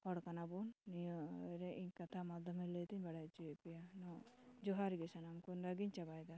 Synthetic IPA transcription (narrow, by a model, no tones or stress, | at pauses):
hɔɽkanabunːijɾeʔiɲkat̪ʰamad̪ʱɔmelet̪iɲbaɽat͡ʃipijanɔd͡ʒɔɦaɾɡesanamkunɾaɡiɲt͡ʃabajd̪a